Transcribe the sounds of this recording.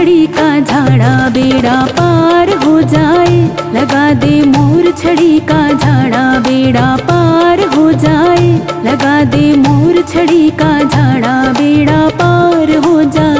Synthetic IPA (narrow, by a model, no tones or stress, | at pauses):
ɽikad͡ʒʱaːɽabeːɽapaːɾɦod͡ʒaːelɡaːd̪emoːɾt͡ʃʰəɽikad͡ʒʱaːɽ̃abeːɽapaːɾɦod͡ʒaːelɐɡaːd̪emoːɾt͡ʃʰəɽikad͡ʒʱaːɽ̃abeːɽapaːɾɦod͡ʒaː